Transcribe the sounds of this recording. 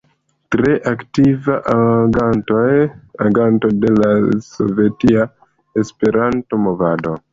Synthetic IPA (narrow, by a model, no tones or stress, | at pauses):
tɾe̞ʔaktivaʔaɡantojaɡanto̞de̞laso̞̰ve̞tia | espe̞ɾanto̞mo̞vado